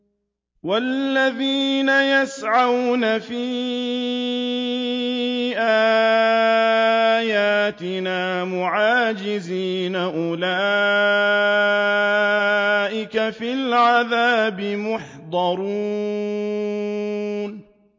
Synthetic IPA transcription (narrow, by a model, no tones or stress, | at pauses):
walːaðiːnajasʕawnafiː | ʔaː | jaːt̪ɪnaːmʊʕaːd͡ʒɪziːnaʔʊlaː | ʔɪkafilʕaðaːbɪmʊħd̪ˤɑɾˤuː | n